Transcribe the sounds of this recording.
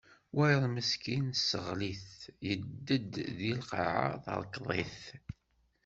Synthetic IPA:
wæjðˤməskinsːəʁliθjəd̪ːəd̪ðilqɑ̰ʕ̰a̰θə̰ɾˤkðˤḭθ

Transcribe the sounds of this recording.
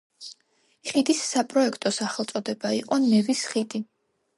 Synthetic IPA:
χid̪isːapʼɾɔɛkʰt̪ʼɔsaχɛlˠt̪sʼɔd̪ɛbaiqʼɔnɛvisχid̪i

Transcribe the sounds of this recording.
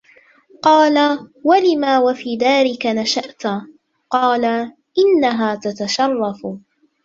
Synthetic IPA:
qɑːlawalɪmaːwafiːd̪aːɾɪkanaʃaʔt̪ | qɑːla | ʔɪnːaɦaːt̪at̪aʃɑrˤːɑf

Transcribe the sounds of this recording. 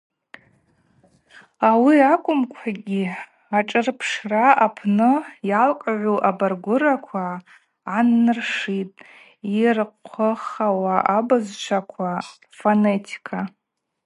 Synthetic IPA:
awiakʷʼʊmkʷʰaɡʲi | aʈ͡ʂʼɨrpʰʂraapʰnɨjalkʷʼʕʷuʔabarɡʷʊɾakʷʰaː | nːɨrʂitʼ | irqʷʰəχawaʔabɨzt͡ʃʷʰakʷʰarfonetʰi̥kʰa

